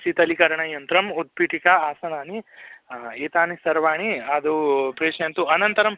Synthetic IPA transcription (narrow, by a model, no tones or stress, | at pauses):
sit̪ɐlikɐɾɐɳɐjɐnt̪ɾɐmud̪̚piʈikaaːsɐnaːni | eːt̪aːnisɐɾʋaːɳiɐd̪upɾeːʂɐnt̪uɐnɐnt̪ɐɾɐm